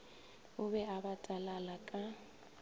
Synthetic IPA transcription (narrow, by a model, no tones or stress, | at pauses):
ʊbɛabatʼalalakʼa